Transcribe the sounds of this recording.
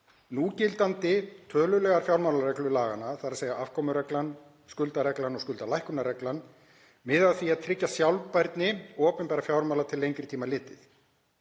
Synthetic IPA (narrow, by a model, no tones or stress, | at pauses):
nuːcɪlt̪ant̪ɪt̪ʰœːlʏlɛːɣaɾ̥fjawɾmawlaɾɛklʏlaːɣanaθaðɾaðseːjɣaafkʰɔːmʏɾɛklan | skʏlt̪aɾɛklanɔɣskʏlt̪alajhkʏnaɾɛklan | mɪðaðθviaðt̪ʰɾɪcːasjawlpajɾt̪nɪɔːpʏnpɛːɾafjawɾmawlat̪ʰɪlːejŋkɾɪ̥t̪ʰiːmalɪːt̪ɪθ